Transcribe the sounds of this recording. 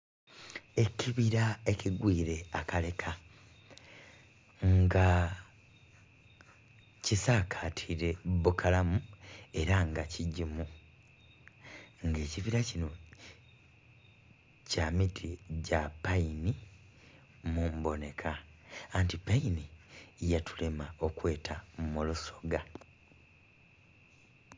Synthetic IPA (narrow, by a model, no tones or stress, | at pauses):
e̞ciβiɾae̞ciɡwiːɾe̞akale̞kʰa | ŋɡa | cisaːkʰatʰiɾe̞βukʰalamue̞ɾaŋɡaciɟimu | ŋɡe̞ːciβiɾacino | camitʰiɟapaini | mumbo̞ne̞kʰaːntipainijatʰu̥lemao̞kwe̞ːtʰamuluso̞ɡa